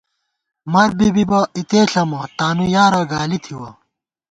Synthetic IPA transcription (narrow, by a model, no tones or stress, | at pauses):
mɐɾbibibɐit̪eːɬɐmɐʈaːnujaːɾɐɡaːlit̪ʰiwɐ